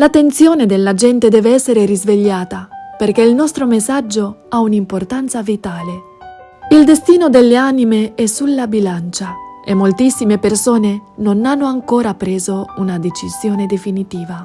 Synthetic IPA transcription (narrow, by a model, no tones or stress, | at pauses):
lat̪ːent̪sjoːned̪elːad͡ʒɛnt̪ed̪ɛːveɛsːeɾeɾizveʎːaːt̪aperkeilnɔst̪ɾomesad͡ʒːoaunimport̪ant̪savit̪aːle | ild̪est̪iːnod̪elːeaːnimeɛsulːabilant͡ʃaemːolt̪isːimepersoːnenonanːoaŋkoːɾapɾeːzounad̪et͡ʃiz̥joːned̪efinit̪iːva